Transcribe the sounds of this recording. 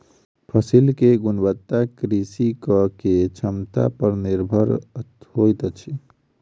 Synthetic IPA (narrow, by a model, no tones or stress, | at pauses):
pʰəsilkeɡʊnbət̪ːakɾisikəket͡ʃʰəmt̪a̰pəɾniɾbʱəɾt̪ɦojt̪t͡ʃʰi